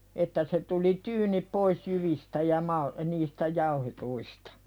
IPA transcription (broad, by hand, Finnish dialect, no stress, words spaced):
etːæ se tuli tyːnip pois jyʋistæ jɑ mɑl niːstæ jɑuhetuistɑ̥